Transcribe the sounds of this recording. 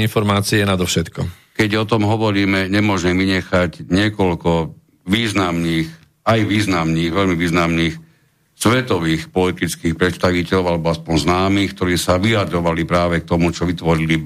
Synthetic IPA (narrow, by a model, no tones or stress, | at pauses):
infɔɾmaːt͡siɛnad̪ɔfʃɛt̪kɔ | kɛɟɔt̪ɔmɦɔʋɔɾiːmɛɲɛmʊɔʒɛʋiɲɛxaɟɲɪɛkɔlkɔ | ʋiːznamniːx | ajʋiːznamniːɣʋɛʎmiʋiːznamniːx | sʋɛt̪ɔʋiːxpɔlit̪it͡skiːxpɾɛt̪st̪aʋicɛlɔʊalɛbɔaspɔnznaːmiːxkt̪ɔɾiːsaʋiad̪ɾɔʋalipɾaːʋɛk̚t̪ɔmut͡ʃɔʋit̪ʋɔɾili